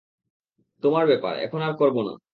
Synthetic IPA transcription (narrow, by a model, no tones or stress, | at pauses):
t̪omaɾbɛpa̰ɾɛ̰kʰonaɾkɔɾbona̰